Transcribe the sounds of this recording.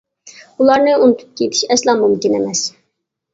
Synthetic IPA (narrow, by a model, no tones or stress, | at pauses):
ulˠɑɾnɨunut̪ʰu̥p̚kʲet̪ʰi̥ʃɛslˠɑmumkʲinemɛs